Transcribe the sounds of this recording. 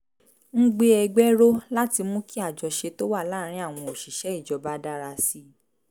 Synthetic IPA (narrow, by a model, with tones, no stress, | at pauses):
ŋ̩̃˦ɡ͡be˧ɛ˧ɡ͡bɛ˦ɾo˦la˦ti˧mũ˦ki˦a˦˨d͡ʒɔ˧ʃe˧to˦wa˦˨la˦˨ɾ̃ĩ˦a˦˨w̃ɔ̃˧o˨ʃi˨ʃɛ˨˦i˦˨d͡ʒɔ˧˦ba˦da˦ɾa˧si˦